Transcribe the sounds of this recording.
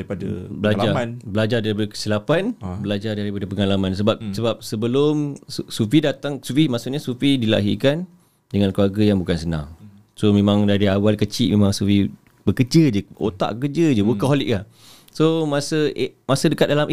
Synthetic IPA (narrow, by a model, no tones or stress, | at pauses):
ipada̰bəlad͡ʒanbəlad͡ʒardaɾipadəkə̥silapanbəlad͡ʒardaɾipadəpəŋalamãns̬əbap̚səbap̚səbəlʊmsufidat̪aŋsufimaʔsuʔɲasufidila̰ɦḭkan | dəŋankluarɡajaŋbukansənã̰ŋ | somẽmãŋdaɾiawalkət͡ʃiʔmemãŋsufi | bəkəd͡ʒəd͡ʒəʔo̰t̪a̰ʔkəkəd͡ʒəd͡ʒəwəkaɦoliʔka | somasəmasədəkat̪̚dalamʔ